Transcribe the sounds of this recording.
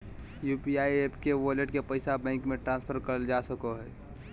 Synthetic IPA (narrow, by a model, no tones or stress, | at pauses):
juːpiaːiepʰkeʋɔleʈkepəɪsabɛ̃ːŋkmẽʈɾãːnspʰəɾkəɾəld͡ʒasəkoɦɛː